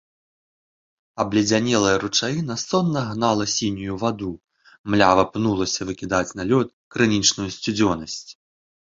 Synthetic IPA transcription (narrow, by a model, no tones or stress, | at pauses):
ɐblʲid͡zʲanʲɛlˠɐjɐɾut͡ʂajinɐsɔnːɐɣnalˠɐsʲinʲujuvad̪u | mlʲavɐpnulˠɐsʲɐvɨkʲid̪at͡sʲnalʲɔt̪ | kɾɨnʲit͡ʂnujusʲt͡sʲud͡zʲɔnɐsʲt͡sʲ